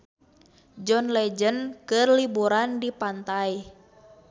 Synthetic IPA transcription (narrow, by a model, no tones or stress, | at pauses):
d͡ʒɔnlɛd͡ʒənkɨrlibuɾandipant̪aj